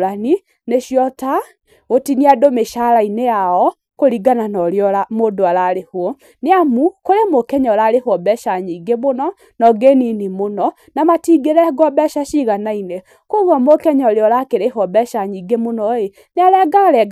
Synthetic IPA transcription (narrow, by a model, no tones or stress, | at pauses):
lani | neʃjɔta | otiniadomeʃaɾainejaɔ | koɾiɡananɔɾjɔlamoːdoalaɾehwɔ | neamukoɾemokɛɲɔlaɾehɔbɛʃaɲiɡemonɔ | nɔɡeninimonɔ | namatiɡeɾɛɡɔbɛʃaʃiɣanaine | koɣamokɛɲɔɾjɔlakeɾeɦɔbɛʃaɲiɡemonɔe | neaɾɛɡaɾɛɡ